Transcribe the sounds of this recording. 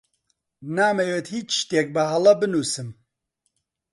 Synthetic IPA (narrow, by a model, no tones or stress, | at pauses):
naːmɛwet̪hiːt͡ʃʃt̪eːk̚bɨɦɐlˠɐbɨnuːsɨm